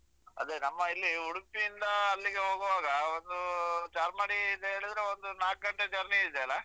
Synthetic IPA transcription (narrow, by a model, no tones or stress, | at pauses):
ɐ̰d̪enɐmːɐilːiuɽupiːnd̪ɐːlːiɡe̞ɦo̞ːɡɐʋaːɡɐond̪ut͡ʃaːɾmaːɽid̪eɦeːɭid̪ɾeond̪unaːk̚ɡɐɳʈed͡ʒɐɾniid̪eɐlːɐ